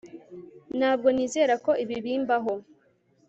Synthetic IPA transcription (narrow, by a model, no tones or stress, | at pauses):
nhaːb̚ɡo̞niːze̞ːɾako̞ʔiβiβiːmbaɦo